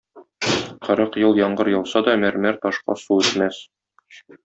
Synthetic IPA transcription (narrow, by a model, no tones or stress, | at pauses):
qɤ̆ɾɤqjɤlˠjɒɴɢɤɾjɤ̆lˠsɑd̪ɒmæɾmæɾt̪ɒʃqɑ̰suʉt̪mæs